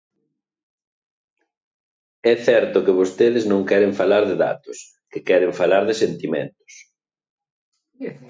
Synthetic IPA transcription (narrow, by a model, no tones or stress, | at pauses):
ɛθɛɾt̪ʊkɪβost̪eðɪznõŋkɛɾɪɱfalaɾðɪða̰t̪ʊs | kɪkɛɾɪɱfalaɾðɪsent̪imɛ̰nt̪ʊ̥s